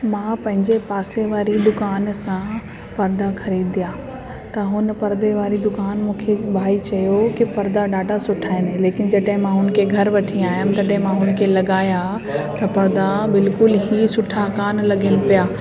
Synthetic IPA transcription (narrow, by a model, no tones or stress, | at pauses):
mãːpɐ̃ɦɪ̃ɲd͡ʑepaːseʋaːɾid̪ʊkaːnsã | pɐɾd̪axɐɾiːd̪ijaː | t̪ɐɦʊn̆pɐɾd̪eʋaːɾid̪ʊkaːnmũːkʰebʱaːit͡ɕɐjokipɐɾd̪aɖaːɖʱasʊʈʰaːɪnɦeleːkɪnd͡ʑɐɗɦɪ̃mãɦʊnkʰeɡʱɐɾʋɐʈʰiaːjʊmt̪ɐɗɦɪ̃mãɦʊnkʰelɐɠaːja | t̪ɐpɐɾd̪abɪlkʊlɦiːsʊʈʰakaːnlɐɡɪnɪ̆pijaː